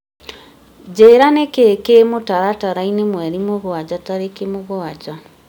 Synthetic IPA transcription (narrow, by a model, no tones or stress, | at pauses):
d͡ʑeːɾanekekemotaɾataɾainemwɛɾimoɣoad͡ʑɔtaɾekemoɣoad͡ʒa